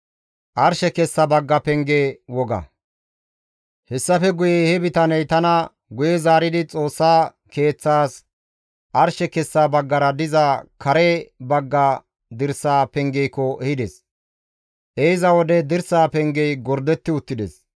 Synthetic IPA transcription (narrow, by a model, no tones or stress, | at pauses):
ʔɐɾʃɛkɛsːɐbɐɡːɐpɛŋɡewɔɡɐ̰ | hɛsːɐfɛɡʊjɛhɛbɪt̪ɐnɛjt̪ɐnɐ | ɡʊjɛzaːɾɪd̪ɪt͡sʼo̞ːsːaː | ke̞ːt͡sːaːs | ʔɐɾʃɛkɛsːaːbɐɡːɐɾɐd̪ɪzɐkʰɐɾɛbɐɡːɐ | d̪ɪɾsaːpɛŋɡɛjkːɔʔɛhɪd̪ɛs | ʔeɪzɐwɔd̪ɛd̪ɪɾsaːpɛŋɡɛjɡɔɾd̪ɛt̪ːɪʊt̪ːɪd̪ḛs